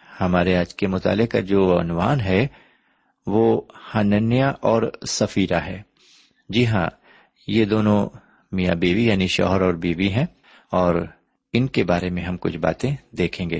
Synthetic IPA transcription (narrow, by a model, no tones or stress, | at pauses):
hɐmaːɾeaːd͡ʒkemʊt̪a̰ːlɪkad͡ʒoːɐnʊʋaːnɦɛ | ʋoːhɐnənjaʔɔːɾsɐfiːɾaɦɛː | d͡ʒɪɦã̰ | jed̪oːnõ | mija̰biːʋijaːniʃɔ̰ːɦəɾɔːɾbiːʋiɦɛ̃ | ɔːɾ | ɪnkebaːɾemẽɦɐmkʊ̰t͡ʃʰba̰ːt̪ẽd̪eːkʰẽːŋɡeː